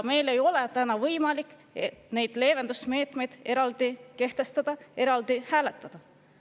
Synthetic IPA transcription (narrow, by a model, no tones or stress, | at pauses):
me̞jle̞jo̞lɛt̪ænɑvɤjmɑlikˑːet̪ne̞jd̪̥le̞ːve̞nd̪̥usme̞ːt̪me̞jd̪̥e̞ɾɑld̪̥ike̞ht̪e̞st̪ɑd̪̥ɑe̞ɾɑld̪̥ihæːle̞t̪ˑːɑd̪̥ɑ